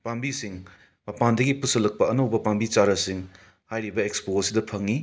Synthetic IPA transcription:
pambisiŋ | mɐpandɐɡipusɐlɐk̚pɐɐnɐwbɐpambit͡ʃaɾɐsiŋ | hajɾibɐekspoɐsidɐpʰɐŋi

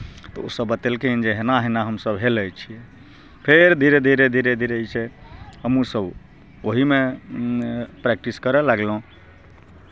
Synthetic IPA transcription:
t̪ɔosəbət̪ɛlkind͡ʒeɦenaɦɛnaɦəmsəbɦeləjt͡ʃʰijɛ | pʰeɾd̪ʱiɾed̪ʱiɾed̪ʱiɾed̪ʱiɾt͡ʃʰɛɦəmusəb | oɦime | pɾɛk̚ʈiskəɾɛlaɡlõ

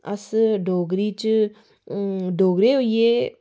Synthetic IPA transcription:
ɐsɖʱoːɡɾiːt͡ʃ | ɖʱoːɡɾeːoje

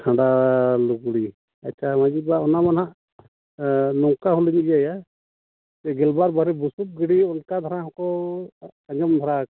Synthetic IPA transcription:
kʰãɳɖaluɡɽi | atːt͡ʃʰamad͡ʒibaɔnamanɦaʔ | nɔŋkaɦuliɲijaja | t̪ɛɡɛlbaɾbaɾɛbusup̚ɡiɽiɔnkad̪ʱaɾãɦɔ̃kɔ | ɐɲɔmd̪ʱɔɾak̚

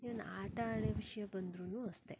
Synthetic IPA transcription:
iɐnaːʈɐaːɽeʋiʂɐjɐbɐnd̪ɾunuːɐst̪e

